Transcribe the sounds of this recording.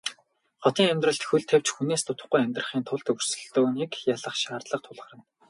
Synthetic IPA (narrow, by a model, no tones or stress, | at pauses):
χɔt̪iːŋæmʲt̪rə̆ɬt̪xuɮt̪ʰew̥t͡ɕxuneːst̪ʰʊt̪ə̆χɡujæmʲt̪rə̆χiːnt̪ʰʊɮt̪ɵr̥sɵ̆ɮt̪oːnikjaɮə̆χʃaːrt̪ɮə̆q̚t̪ʰʊɮʁə̆rə̆n